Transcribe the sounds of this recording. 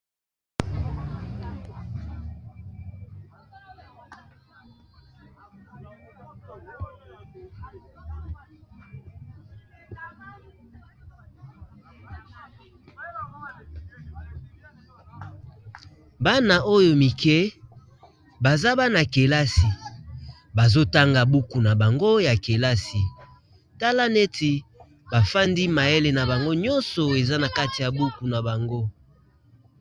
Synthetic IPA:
ba˦na˨o˦jo˨mi˨kɛ˦ | ba˨za˦ba˦na˨ke˨la˦si˨ | ba˨zo˦ta˦ŋɡa˨bu˦ku˨na˨ba˨ŋɡo˦ja˨ke˨la˦si˨ | ta˦la˦ne˦ti˨ | ba˨fa˦ndi˦ma˨e˦le˨na˨ba˨ŋɡo˦ɲɔ˦nsɔ˨e˨za˦na˨ka˦ti˨ja˨bu˦ku˨na˨ba˨ŋɡo˦

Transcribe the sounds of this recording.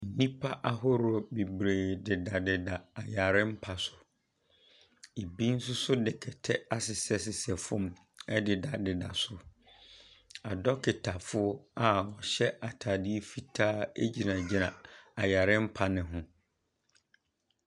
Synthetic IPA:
n̩˨nĩ˦pʰa˦ʔa˦ɦɔ˦ɾɔ˦˨bi˨bɾeː˨dɪ˨da˨dɪ˨da˨a˨ja˨ɾɪ̃˦m̩˦pʰa˨sʊ˨ | e˨bi˦n̩˦sʊ˦sʊ˦dɪ˨kʰɛ˨tʰɛ˦a˦sɪ˨sɛ˦sɪ˨sɛ˨fʊ̃˦m | ɛ˦dɪ˨da˨dɪ˨da˨sʊ˨ | a˨dɔ˦kʰɪ˨tʰa˨fʊ˦ɔ˦a˨wɔ˨ɕɛ˦ʔa˨tʰa˨di˦e˦fi˦tʰaː˦e˦d͡ʑi˨nã˨d͡ʑi˨nã˨a˨ja˨ɾɪ̃˦m̩˦pʰa˨nɪ̃˨ɦʊ̃˦

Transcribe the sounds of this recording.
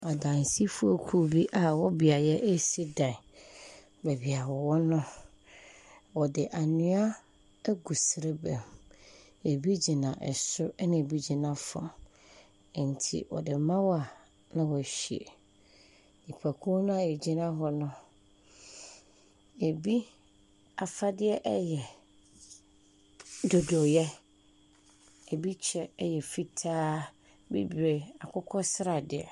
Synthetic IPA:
a˨dã˨n˨si˦fʊ˦o˨kʰu˦˨bi˦ʔa˨wɔ˦bi˨a˨jɛ˦ʔe˦si˦dã˨ | bɛ˨bi˨a˨wɔ˨wɔ˦nʊ̃˦ | wɔ˨dɪ˨ʔa˨nɪ̃˦a˦ | ɡu˨sɪ˨ɾe˦bɛ̃˨m | e˨bi˦d͡ʑi˨nã˨ʔɛ̰˨sʊ˦nã˨bi˦d͡ʑi˨nã˨fɔ̰˨ | n̩˨tʰḭ˨wɔ̰˨dɪ˨mã˦wa˨ | nã˦wɔ˨ɕi˨ḛ˨ | i˨pʰa˨kʰu˦nʊ̃˦a˨ɛ˨d͡ʑĩ˦nã˦ɦɔ˦nʊ̃˦ | e˨bi˦ | a˨fa˦dɪ˦ɛ˦ʔɛ˦jɛ˨ | do˨do˨jɛ˦ | e˨bi˦t͡ɕʰɛ˦ɛ˦jɛ˨fi˦tʰaː˦ | bḭ˦be˨a˨kʰʊ˦kʰɔ˦sɪ˦ɾa˨dɪ˨ɛ̰˨

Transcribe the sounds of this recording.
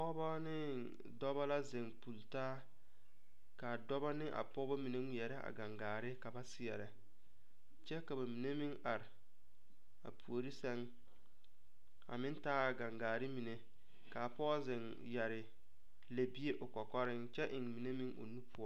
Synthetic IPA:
pɔ˦ba˦nɪ˦ | dɔ˦ba˦la˦zɪ˨ŋpu˨ltaː˦ | ka˨dɔ˦ba˦nɪ˦ʔa̰˨pɔ˦ba˦mi˨ne˦ŋi˦˨ɛ˨ɾɛ˦a̰˨ɡa˨ŋɡaː˨ɾɪ˦ka˨ba˦sɪ˦jɛ˨ɾɛ˨ | t͡ʃɛ˦ka˨ba˨mi˨ne˦mɪ˦ŋa˨ɾɪ˨ | a̰˨pʰu˨o˨ɾi˦sɛ˦ŋ | a̰˨mɪ˦ntaː˦a˨ɡa˨ŋɡaː˨ɾɪ˦mi˨ne˨ | ka˨pɔ˦zɪ˨ŋ | ja˨ɾɪ˨ | le˨bi˦e˦ʔʊ˨kɔ˨kɔ˦ɾɪ˦ŋt͡ʃɛ˦ʔɪ˨ŋmi˨ne˦mɪ˦ŋo̰˨nu˦pʰʊ˦ɔ˦

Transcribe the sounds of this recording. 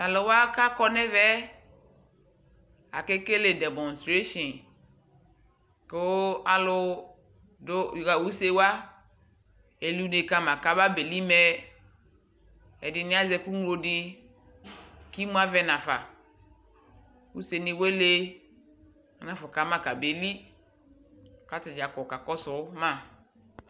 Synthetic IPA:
a˨lo˨wa˦ka˦kɔ˦nɛ˦vɛ˦ | a̰˨ke˦ke˦le˨dɛ˨mɔ̃˨n˨stɾe˦ʃɔ̃˨n | ko˦a˨lʊ˦ | do˦˨ɣa˨wu˦se˦wa˦ | e˨li˦ne˨ka˦mã˨ka˦ba˦be˨li˦mɛ˦ | ɛ˨dɪ˨nɪ̃˦a˦zɛ˦ku˦ŋlo˦dɪ˦ | ki˦mũ˦a˦vɛ˦nã˨fa˨ | wu˦se˨ni˨we˦le˦ | a˨nã˨fɔ˨ka˨˦mã˨ka˨be˨li˦ | ka˦ta˨d͡ʒa˨kɔ˨ka˨kɔ˦sʊ˨ʊ˦mã˦˨

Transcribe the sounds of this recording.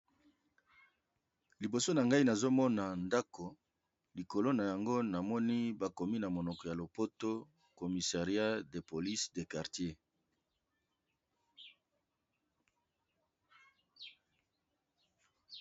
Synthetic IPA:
li˨bo˨so˦na˨ŋɡa˦i˦na˨zo˦mɔ˦na˨nda˦kʰo˨ | li˨ko˨lo˦na˨ja˨ŋɡo˦na˨mɔ˦ni˦ba˨ko˨mi˦na˨mo˨nɔ˨kɔ˨ja˨lo˨po˦to˦ | ko˨mi˨sa˨ʁja˦de˨po˨li˦sde˨ka˨ʁtje˦

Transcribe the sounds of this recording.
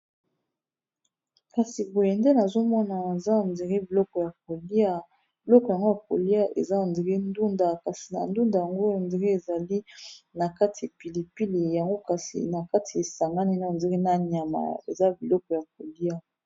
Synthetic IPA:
ka˨si˨bo˨je˨nde˦na˨zo˦mɔ˦na˨e˨za˦a˨ndi˨ʁi˦bi˨lɔ˦kɔ˨ja˨k̚o˨li˦a˦ | bi˨lɔ˦kɔ˨ja˨ŋɡo˦ja˨ko˨li˦a˦ʔḛ˨za˦a˨ndi˨ʁi˦ndu˦nda˨ka˨si˨na̰˨ndu˦nda˨ja˨ŋɡo˦a˨ndi˨ʁe˦e˨za˨li˦na˨ka˦ti˨a˨pi˨li˨pi˦le˨ja˨ŋɡo˦ka˨sḭ˨na˨ka˦ti˨e˨sa˨ŋɡa˦ni˦˨na˦˨di˨ʁi˦na˦ɲ˨a˨ma̰˨ḛ˨za˦bi˨lɔ˦kɔ˨ja˨k̚o˨li˦a˦

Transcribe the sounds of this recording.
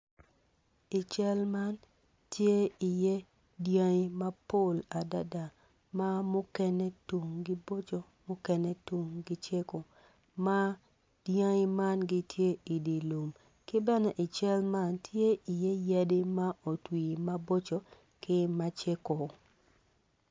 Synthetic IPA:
ɪ˨t͡ʃɛ˦lma˦n | tje˦i˨je˦ | djã˦i˦ma˦po˦˨la˨da˦da˨ | ma˦mʊ˦kɛ˦nɛ˦tu˨ŋɡɪ˦bo˦t͡ʃo˨ | mʊ˦kɛ˦nɛ˦tu˨ŋɡɪ˦t͡ʃe˦ko˨ | ma˦ | d̥jã˦ma˦nɡɪ˦tʰje˦i˨di˨lu˨m | kɪ˦bɛ˦nɔ˨ʔɪ˨t͡ʃɛ˦lma˦ntʰje˦i˨jɛ˦ja˦dɪ˦ma˦o˨twi˨ma˦bo˦t͡ʃo˨ | kɪ˦ma˦t͡ʃe˦ko˨

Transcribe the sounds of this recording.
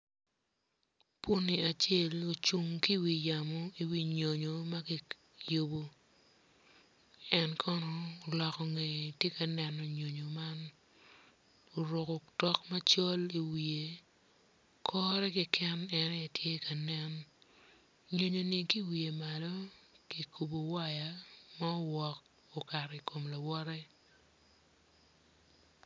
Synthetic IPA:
pwo˦ni˨a˨t͡ʃe˦˨lo˨t͡ʃu˨ŋki˦wi˨ja˨mɔ˦i˨wi˨ɲo˨ɲo˨ma˦kɪ˦ | jo˦˨bo˦ | ɛ˦nkʰɔ˦nɔ˦o˨lɔ˨kɔ˨ŋe˨tje˦ka˨nɛ˨no˨ɲo˨ɲo˨ma˦n | o˨ɾo˨kɔ˨tɔ˦kmɐ˦t͡ʃɔ˦li˨wi˨e˨ | kʰɔ˦ɾɛ˦kɪ˦kʰɛ˦nɛ˨nɛ˦˨tʰje˦ka˨nɛ˦n | ɲo˨ɲo˨ni˨ki˦wi˨e˨ma˨lɔ˦ki˨kʰu˨bo˨wa˦ja˨ma˦o˦wɔ˨k̚ | o˨ka˨ɾɛ˨iko˨mla˨wɔ˦ɾɛ˦

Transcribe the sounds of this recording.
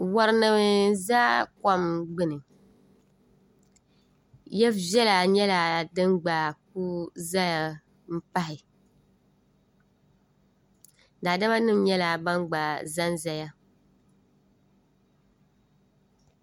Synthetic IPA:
wa˨ɾɨ˨˦nɨ˨m˨zaː˦ka˦mɡ͡bɨ˦nɨ˨ | jɛ˦vɛ˦la˨ɲɛ˦la˨dɨ˦mɡ͡baː˨k̚u˦za˦ja˨ | m̩˦pa˦hɪ˨ | daː˨da˦ba˦nɨ˦mɲɛ˦la˨ba˦ŋɡ͡ba˨za˦nza˦ja˦

